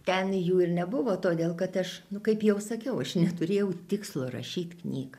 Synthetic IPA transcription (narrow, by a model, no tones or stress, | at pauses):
t̪ʲɛnjuːɪrnʲɛbʊʋoːt̪oːd̪ʲeːlˠkɐt̪ɐʃnʊkɐɪpjɛʊsɐkʲɛʊɐʃnʲɛt̪ʊɾʲeːjɛʊt̪ʲɪkslˠoːɾɐ̰ʃʲiːt̪knʲiːɡɐ